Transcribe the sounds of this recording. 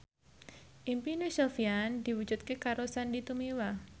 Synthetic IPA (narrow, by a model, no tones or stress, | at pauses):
ʔimpinesofiand̪̥i̤wu̥d͡ʒut̪̚kekaɾosandit̪umiwa